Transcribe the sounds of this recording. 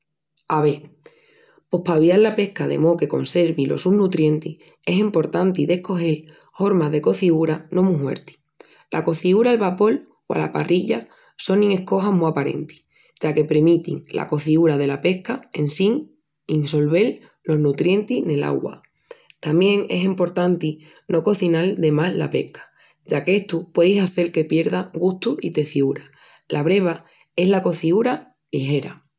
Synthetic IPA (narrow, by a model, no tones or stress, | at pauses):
aβe̞ | po̞hpaβjallape̞hkaðe̞̰mo̞ke̞ko̞̰nse̞ɾβilo̞̰suhnut̪ɾje̞nt̪i | e̞simpo̞ɾt̪ant̪iðe̞hko̞he̞l | ho̞ɾmaðe̞ko̞θiɣuɾanõ̞muɦwe̞̰ɾt̪i̥ | lʔa̰ko̞θiuɾalβapo̞l | wa̰la̰pa̰rʔiʎa | so̞nĩŋe̞hko̞ɦamuapaɾe̞̰nt̪i̥ | ɟ͡ʝake̞pɾemit̪ḭŋlʔa̰ko̞θiuɾaðe̞lape̞hkae̞nsiŋ | inso̞lβe̞l | lo̞znut̪ɾje̞nt̪inela̰ɣwa̰ | t̪amje̞ŋe̞simpo̞ɾt̪ant̪i | no̞ko̞θinald̪e̞mazla̰pe̞̰hkʰḁ | ɟ͡ʝakeht̪upwe̞ðjsaθe̞lke̞pje̞ɾðaɡuht̪uit̪e̞θiuɾa | laβɾe̞β̞a | e̞ɦlako̞θiuɾa | liɦe̞ɾa̰